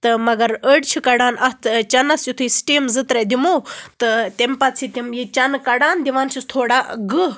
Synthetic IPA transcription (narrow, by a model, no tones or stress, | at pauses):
t̪ɨmɐɡɐɾəɖt͡ʃʰikɐɽaːnʔɐt̪ʰt͡ʃɐnɐsjut̪ʰuisʈiːmzɨt̪ɾɐd̪ʲimoːt̪ɨt̪ɐmpɐt͡sʰit̪ʲimjit͡ʃɐnkɐɽaːnd̪iʋaːnt͡ʃʰist̪ʰoːɽaːɡɨ